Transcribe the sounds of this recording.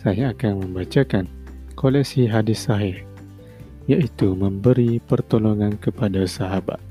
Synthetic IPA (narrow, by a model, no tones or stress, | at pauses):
saɦaakanmə̃mbat͡ʃakan | kolɛk̚siɦadɪssaɦɪh | jaʔit̪umə̃mbəɾipərt̪oloŋankəpadasaɦaba̰t̪̚